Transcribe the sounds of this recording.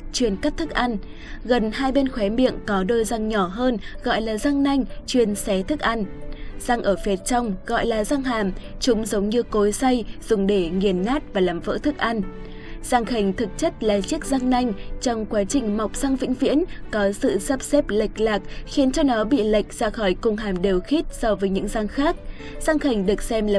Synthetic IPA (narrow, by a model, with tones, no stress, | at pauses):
t͡ɕwi˨˩ənkaː˦˥t̚t̪ʰɨ˦˥k̚ʔa˧n | ɣə˨˩nɦaː˧jɓe˧nxwɛ˨˦mḭ˧˨əŋkɔ˨˦ɗoː˧jza˧ŋɲɔ˧˩ɦəː˧nɣɔ̰˧˨jlaː˨˩za˧ŋna˧jŋ̟t͡ɕwi˨˩ənsɛ˨˦t̪ʰɨ˦˥k̚ʔa˧nz̥a˧ŋʔəː˧˩fɛ˨˦t̚t͡ɕɔ˧wŋ͡mɣɔ̰˧˨jlaː˨˩za˧ŋɦaː˨˩m | t͡ɕʊ˨˦ŋ͡mzə˨˦wɲɨ˧ko˨˦jsa˧jz̥ʊ˨˩ŋ͡mɗe˧˩ŋi˨˩ənːaː˦˥t̚vaː˨˩laː˨˩mvə̰ː˧˥t̪ʰɨ˦˥k̚ʔa˧n | z̥aː˧ŋxi˨˩jŋ̟t̪ʰɨ˨˩k̚t͡ɕə˦˥t̚la̰ː˨˩t͡ɕi˦˥ək̚za˧ŋna˧jŋ̟t͡ɕɔ˧wŋ͡mkwaː˨˦t͡ɕï˨˩ŋ̟ma˨˩wk͡p̚z̥a˧ŋvḭ˧˥ŋ̟vḭ˧˥ənkɔ˨˦sɨ̰˧˨sə˦˥p̚sɛ˦˥p̚lə˨˩jk̟̚laː˨˩k̚xi˨˦ənt͡ɕɔ˧nɔ˨˦ɓḭ˧˨lə˨˩jk̟̚z̥aː˧xɔ˧˩jkʊ˧ŋ͡mɦaː˨˩mɗe˨˩wxi˦˥t̚sɔ˧vəː˨˦jɲɨ̰˧˥ŋza˧ŋxaː˦˥k̚ | z̥a˧ŋxa˨˩jŋ̟ɗɨ˨˩ək̚sɛ˧mlaː˨